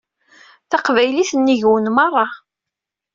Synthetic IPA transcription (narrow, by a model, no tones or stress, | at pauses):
θɑqvæjliθənːiʝwənmɑrˤːɑ